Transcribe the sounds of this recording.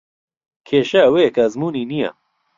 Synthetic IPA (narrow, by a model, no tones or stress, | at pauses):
kʰeːʃɐweːkʰɐzmuːniːnija̰